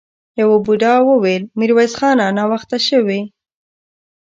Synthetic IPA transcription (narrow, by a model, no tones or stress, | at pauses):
jawobuɖɑwəwelmiɾwajzxɑnanɑwaxt̪aʃəwe